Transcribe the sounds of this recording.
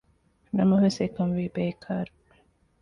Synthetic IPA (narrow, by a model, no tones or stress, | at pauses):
nɐmɐʋesekɐmʋiːbeːkʰaːɾu